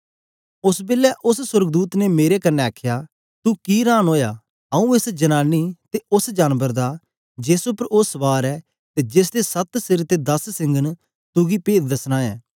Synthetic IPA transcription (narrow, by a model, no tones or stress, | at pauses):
ʊsbɪlːɛːʔʊssʊɾɡd̪uːt̪nemeːɾekənːɛaːkʰjaː | t̪ukiːɾãːnɦoːjaː | əũːɪsd͡ʒənaːniːt̪eʊsd͡ʒaːnbəɾd̪aː | d͡ʒeːsʊpəɾʊsʋaːɾɛː | t̪eːd͡ʒɪs̬d̪esət̪sɪɾt̪ed̪ɐssɪ̃ŋɡən | t̪ʊɡipeːt̪̚d̪ɐsnaːɛː